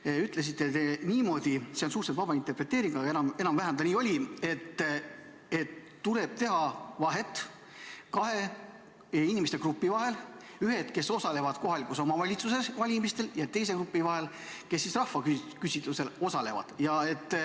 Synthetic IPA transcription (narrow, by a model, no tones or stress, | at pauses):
yt̪ːˑle̞s̬it̪ːˑe̞t̪eniːmo̞d̪̥iseonsuːɾt̪set̪vɑb̥ɑint̪e̞rpre̞t̪ːˑeːɾiŋɡɑenɑme̞nɑmvæɦænd̪ɑniːo̞lʲie̞t̪ːˑ | e̞t̪ːule̞b̥̚t̪e̞ɦɑvɑɦe̞t̪ː | kɑɦe̞ | inʲimest̪e̞krupːivɑɦe̞l | yɦe̞t̪ke̞so̞sɑle̞vɑd̪̥ko̞ɦɑlikuso̞mɑvɑlʲit̪sus̬e̞svɑlʲimist̪e̞ljɑt̪e̞jse̞krupːivɑɦe̞l | kesːisrɑhfɑkykysit̪ˑluse̞lo̞sɑle̞vɑ̰d̪̥jɑe̞t̪ː